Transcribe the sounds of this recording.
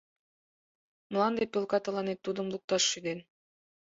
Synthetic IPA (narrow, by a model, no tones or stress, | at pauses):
məlˠɑnd̪epʲølkɑt̪ɤ̆lɑnet̪ːud̪ə̆mlˠuk̚t̪ɑʃːyd̪en